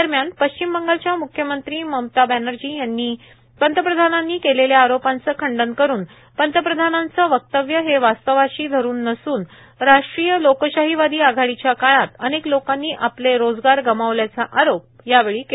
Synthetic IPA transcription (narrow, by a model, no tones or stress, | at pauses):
əɾmjanpəɕt͡ɕimbəŋɡalt͡ɕjamukʰjəmənt̪ɾiːməmt̪abænəɾd͡ʑiːjanːiː | pənt̪əpɾəd̪ʱananːiːkeleljaːɾopant͡səkʰəɳɖənkəɾuːn | pənt̪əpɾəd̪ʱanant͡səʋək̚t̪əʋjəɦeʋast̪əʋaɕiːd̪ʱəɾuːnːəsuːn | ɾaʂʈɾijəlokəɕaɦiʋad̪iːaɡʱaɽit͡ɕjakaɭat̪əneklokanːiːʔapleɾod͡zɡaɾɡəmaʋljat͡saʔaɾop̚ | jaʋeɭiːke